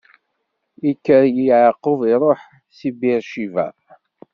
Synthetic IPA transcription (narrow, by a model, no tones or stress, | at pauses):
ikːəɾjiʕəqːoviɾˤoħ | sibiɾʃivæ̰